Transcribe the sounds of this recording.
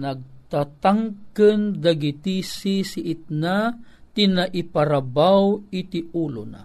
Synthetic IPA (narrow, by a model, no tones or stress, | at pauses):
naɡ̚t̪at̪aŋkənd̪aɡit̪isisiʔit̪̚na | t̪inaʔipaɾabawit̪iʔulo̰na̰